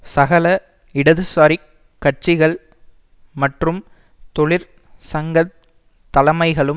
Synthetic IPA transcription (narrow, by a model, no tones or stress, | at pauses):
sɐɣɐlɐ | ɪɽɐðɯsaːɾi | kːɐʈ̚t͡ʃɪɣɐɭ | mɐʈrɯm | t̪ɔɭɪɾ | sɐŋɡɐ | t̪ːɐlɐmɐɪɣɐɭɯ